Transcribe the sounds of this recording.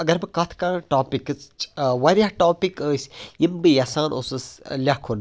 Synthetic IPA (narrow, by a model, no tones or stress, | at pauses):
ɐɡɐɾbɨkɐt̪ʰkɐnʈaːpikt͡st͡ʃʋɐɾʲaʈoːpikəːsʲjimbɨjasaːnosɨslʲakʰun